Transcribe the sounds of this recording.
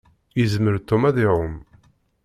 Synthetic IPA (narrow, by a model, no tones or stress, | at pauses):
jəzməɾt̪umæðiʕʊm